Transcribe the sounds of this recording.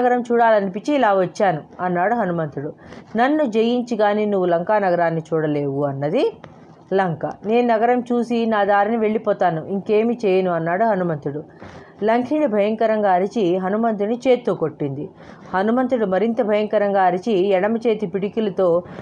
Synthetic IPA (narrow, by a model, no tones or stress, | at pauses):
ɐɡɐɾɐmt͡ʃuːɽaːlɐnipit͡ʃːiːlaːʋɐt͡ʃːaːnuɐnːaːɽuɦɐnumɐnt̪ɾuɽunɐnːud͡ʒejiɲt͡ʃiɡaːniːnuʋːulɐŋkaːnɐɡɐɾaːnːit͡ʃuːɽɐle̞ːʋuɐnːɐd̪i | lɐŋkɐ̰ne̞ːnunɐɡɐɾɐmt͡ʃuːsinaːd̪aːɾiniʋe̞ɭːipɔːt̪aːnuʔiŋke̞ːmit͡ʃɛːjɐnuɐnːaːɽuɦɐnumɐnt̪ɾuɽu | lɐŋkʰiɳibʱɐjɐŋkɐɾɐŋɡaːɐɾit͡ʃiɦɐnumɐnt̪̬ɾunit͡ʃe̞ːt̪ːuːko̞ʈːind̪i | hɐnumɐnt̪ɾuɽumɐɾint̪ɐbʱɐjɐŋkɐɾɐŋɡaːɐɾit͡ʃiɛɽɐmɐt͡ʃeːt̪ipiɽikilɐt̪oː